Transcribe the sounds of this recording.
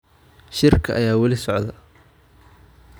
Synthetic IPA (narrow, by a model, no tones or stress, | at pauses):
ʃɪrkʰɐʔɐjaːwɐlɪsɔʕðɐ